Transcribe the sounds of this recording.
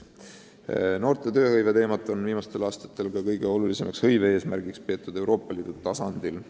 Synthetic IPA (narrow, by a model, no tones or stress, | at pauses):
no̞ːrt̪e̞t̪ø̞ːhɤjve̞t̪e̞ːmɑt̪ːˑo̞nviːmɑst̪e̞lɑːst̪ɑ̥t̪ːˑe̞lkɑkɤjɡ̥e̞o̞lulise̞mɑkshɤ̞jvee̞ːsmærɡ̥ikspe̞ːt̪ːˑud̪̥e̞wɾʔo̞ːpːˑɑliːd̪̥ut̪ɑsɑnd̪̥il